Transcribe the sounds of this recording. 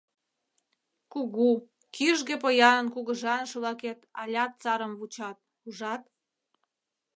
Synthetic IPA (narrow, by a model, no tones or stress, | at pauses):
kuɣu | kiʒɣĕpəjɑnənkuɣə̆ʒɑnʃəβlɑket̪ɑ̰lʲɑt̪̚t͡sɑɾə̆mβut͡ɕɑt̪̚ | uʒɑt̪̚